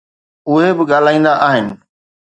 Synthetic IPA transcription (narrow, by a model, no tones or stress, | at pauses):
ʊɦebɪɠaːl̤aːĩːnd̪aʔaːɦɪnɪ̆